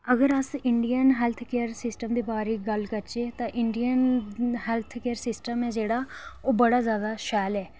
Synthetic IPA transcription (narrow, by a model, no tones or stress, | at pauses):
əɡəɾəsɪɳɖijənɦɛːlt̪ʰkeːəɾsɪsʈəmd̪eːbaːɾeːɡəlkəɾt͡ʃeːt̪ãːʔɪɳɖijənɦɛːlt̪ʰkeːəɾsɪsʈəmɛːd͡ʒeːɽaːoːbəɽaːzjaːd̪aːʃɛːlɛː